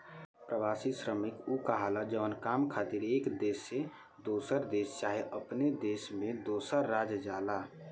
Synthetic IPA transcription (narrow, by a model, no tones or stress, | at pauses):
pɾəʋaːsisɾəmɪkukəɦalad͡ʒəʋənkamkʰaːt̪iɾeːkd̪eːsːe | d̪oːsəɾd̪eːst͡ʃaːɦeʔəpned̪eːsmẽd̪oːsəɾːad͡ʒd͡ʒala